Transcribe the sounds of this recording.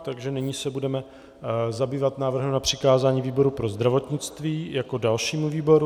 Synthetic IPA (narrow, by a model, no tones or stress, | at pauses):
t̪aɡʒɛnɪɲiːsɛbudɛmɛ | zabiːvat̪naːvr̩ɦɛmnapr̝̥ɪkaːzaːɲiːviːbo̞ɾupɾo̞zd̪ɾavo̞t̪ɲɪt͡st̪viːjako̞dalʃiːmuviːbo̞ɾu